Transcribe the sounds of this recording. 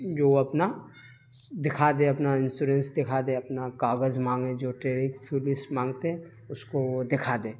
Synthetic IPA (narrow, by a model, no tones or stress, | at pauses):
d͡ʒoːɐpna | d̪ɪkʰaːd̪ẽɐpnaɪnsuːɾẽnsd̪ɪkʰad̪eɐpnakaːɡəzmãːŋɡẽd͡ʒoːʈɾeːɽɪkpʰuːlɪsmãːŋɡt̪eɦɛ | ʊskood̪ɪkʰaːd̪eː